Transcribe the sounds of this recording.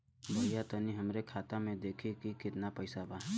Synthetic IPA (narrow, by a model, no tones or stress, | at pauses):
bʱəjat̪əniɦəmɾekʰaːt̪amẽd̪eːkʰikikɪt̪napəɪsaba